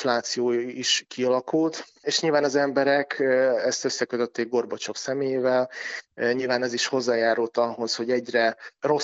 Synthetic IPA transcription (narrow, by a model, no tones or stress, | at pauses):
flaːt̪sijoːiʃkiɒlɒkult̪eːʃɲilvaːnɒzɛmbɛɾɛkʰɛst̪øsːɛkøt̪øt̪ːeːɡ̚ɡo̞rbot͡ʃo̞ksɛmeːjeːvɛlɲilvaːnɛziʃho̞zːaːjaːɾult̪ɒɦo̞sho̞ɟɛɟrɛro̞